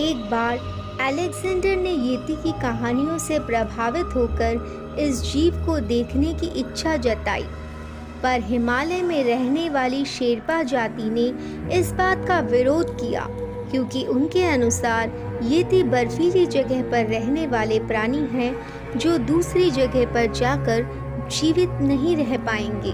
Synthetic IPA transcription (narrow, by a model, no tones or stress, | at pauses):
eːk̚baːɾ | ɛːleɡzɛ̃ːɳɖəɾnejeːt̪ikikɐɦaːnijõsepɾɐbʱaːʋɪt̪ɦoːkəɾ | ɪs̬d͡ʒiːʋkod̪eːkʰnekiʔɪtːʃʰad͡ʒɐt̪a̰ːḭː | pɐɾɦɪmaːlemẽɾɛɦneʋaːliʃeːɾpad͡ʒaːt̪ine | ɪsbaːt̪kaʋɪɾoːd̪ʱkija̰ː | kjõːkiʔʊnkeɐnʊsaːɾ | jeːt̪ibɐɾfiːɾid͡ʒɐɡəɦpɐɾːɛɦneʋaːlepɾaːñiɦɛ̃ | d͡ʒoːd̪uːsɾid͡ʒɐɡəɦpɐɾd͡ʒaːkəɾ | d͡ʒiːʋɪt̪nɐɦĩɾɛɦpaːẽːŋɡḛː